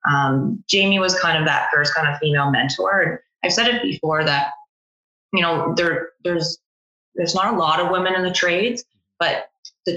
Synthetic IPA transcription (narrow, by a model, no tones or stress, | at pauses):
ʔʌ̃m̥d͡ʒ̥ẽɪ̃miwʌz̥kʰãɪ̃ndʌvðɨ̰t̚fɜ˞skʰãɪ̃ndʌv̥fimeɪlˠmɛ̰̃ntʰɔ̰ɹɨ̃n | aɪv̥sɛɾɨt̚b̥ɨfɔɹðɨt̚ | jɨñoʊðə˞ðə˞z | ðə˞znəɾəlɔɾʌvwɪ̃mɨ̃nɨ̃nðɨtʰɹ̥eɪdz̥ | b̥ʌt̪̚ðɨ